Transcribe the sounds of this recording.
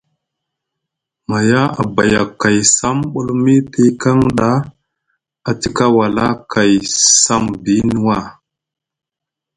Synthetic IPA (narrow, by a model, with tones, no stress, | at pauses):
ma˨ja˦a̰˨ba˨ja˨ka˨jsa˦mɓu˦lmi˦pi˦ka˦ŋɗa˦ | a˨ti˦ka˦wa˨la˦kʰa˨jsa˦mbi˦nu˦wa˦˨